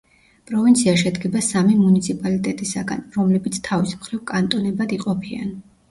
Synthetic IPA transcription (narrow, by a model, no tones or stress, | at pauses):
pʼɾɔvint̪sʰiaʃɛd̪ɡɛbasamimunit̪sʰipʼalit̪ʼɛt̪ʼisaɡa̰nɾɔmlɛbit̪sʰt̪ʰavismχɾivkʼant̪ʼɔnɛbad̪iqʼɔpʰia̰n